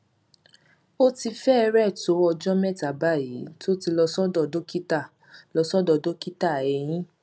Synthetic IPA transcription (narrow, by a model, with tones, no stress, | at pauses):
o˦ti˧fɛ˦ɛ˧ɾɛ˦˨to˨˦ɔ˧d͡ʒɔ˦mɛ˦˨ta˨ba˦˨ji˨˦to˦ti˧lɔ˧sɔ˦dɔ˧˨do˦ki˦ta˦˨ | lɔ˧sɔ˦dɔ˧˨do˦ki˦ta˦˨ɛ˨˧j̃ĩ˦